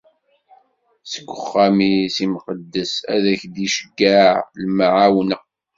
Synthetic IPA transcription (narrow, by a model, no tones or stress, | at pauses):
sə̥ɡʷːəχːamisimqəd̪ːəsæ̰ðæçd̪iʃə̥ɡːaʕlmʕawn